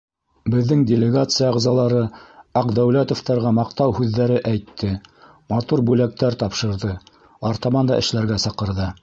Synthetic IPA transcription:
bɘ̆ðːɘŋdʲɪlʲɪɡat̪sɨjɑʁzɑlˠɑɾɤɑqd̪æwlæt̪ŏft̪ɑɾʁɑmɑqt̪ɑwhʉðːæɾɘʔæjt̪ʰːɘ | mɑt̪uɾbʉlæk̚t̪æɾt̪ɑpʃɤ̆ɾðɤ | ɑɾt̪ɑmɑnd̪ɑ̰ʔɘ̆ʃlæɾɡæsɑqɤ̆ɾðɤ

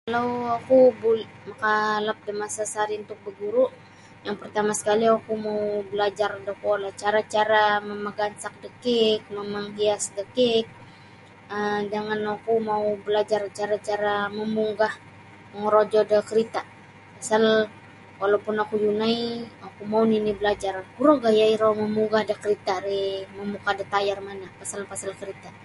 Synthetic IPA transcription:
kalawakubul | makalap̚dimasasaɾiunt̪ʊk̚bəɡuɾuʔ | jaŋpərt̪amasə̥kaliakumaubəlad͡ʒardakuolaht͡ʃaɾat͡ʃaɾaməməɡansak̚dəkɪk̚məmaŋkiasdəkɪk̚ | ədəŋanakumaubəlad͡ʒart͡ʃaɾat͡ʃaɾaməmuŋɡah | məŋəɾod͡ʒɔdəkəɾit̪a | pasal | walapʊnakujunaiokumauninibəlad͡ʒarkuɾoɡajaiɾɔməmuŋɡahdəkəɾit̪aɾeməmukadət̪ajarmanapasalpasalkəɾit̪a

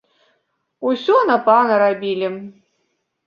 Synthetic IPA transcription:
usʲɔnɐpanɐɾabʲilʲi

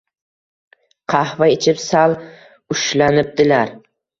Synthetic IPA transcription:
qʰɑhvaet͡ʃʰɪpsal | ʊʃlanɪp̚d̪ɪlaɾ

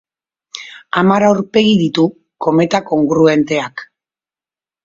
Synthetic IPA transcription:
amaɾawɾpe̞ɣiðit̪u | ko̞me̞t̪ako̞ŋɡɾue̞nt̪e̞ak

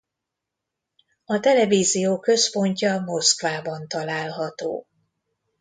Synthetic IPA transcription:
ɒt̪ɛlɛviːzijoːkø̞spo̞ɲcɒmo̞skvaːbɒnt̪ɒlaːlɦɒt̪o̰ː

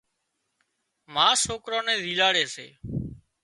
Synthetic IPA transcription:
maːsoːkɾõːnẽːzʱiːlaːɽeːsḛː

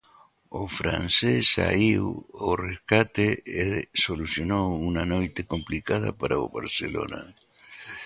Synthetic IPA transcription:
ofɾa̰nsesa̰iworeskat̪eesolusjo̞nounanojt̪ekomplikaða̰paɾaoβa̰ɾselo̰na̰

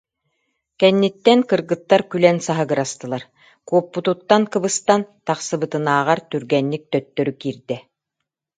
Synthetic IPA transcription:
kɛnːit̪ːɛnkɯɾɡɯt̪ːaɾkylɛnsaɦɯɡɯɾast̪ɯlˠaɾ | kuɔpːut̪ut̪ːankɯbɯst̪ant̪aχsɯbɯt̪ɯnaːʁaɾt̪yɾɡɛnːik̚t̪œt̪ːœɾykiːɾd̪ɛ

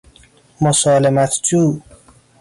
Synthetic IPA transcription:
mosɒːlemæt̪ʰd͡ʒuː

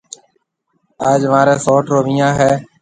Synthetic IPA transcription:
aːd͡ʒʋãːɾẽːsoːʈɾoːʋĩːjãːɦɛː

